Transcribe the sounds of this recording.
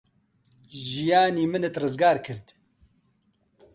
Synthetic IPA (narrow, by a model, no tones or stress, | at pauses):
ʒijaːniːmɨnɨt̪rɨzɡaːɾkʰɨɾd̪